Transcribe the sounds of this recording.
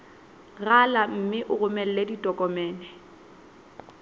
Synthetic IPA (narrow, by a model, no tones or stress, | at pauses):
ɣalam̩mɪʔʊɣʊmɛl̩leditʼɔkʼɔmɛːnɛ